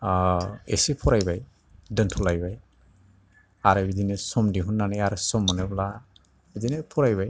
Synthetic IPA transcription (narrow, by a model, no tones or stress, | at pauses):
esipʰɔɾajbaj | dəntʰɔlajbaj | aɾubidinɛsɔmdiɦunːanajaɾusɔmːɔnɛbla | bidinepʰɔɹajbaj